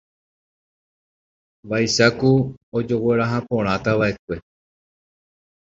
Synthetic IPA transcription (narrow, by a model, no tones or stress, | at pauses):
baiʃakuod͡ʒo̞we̞ɾaɦapõ̞ɾ̃ãt̪aʋaʔe̞kʷe̞